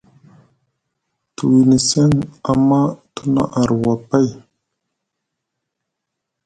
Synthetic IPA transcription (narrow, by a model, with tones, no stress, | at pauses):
tu˨wi˨nə˨se˦na˨mːa˦tu˦na̰˦˨ʔa˨ɾwa˨pa˦j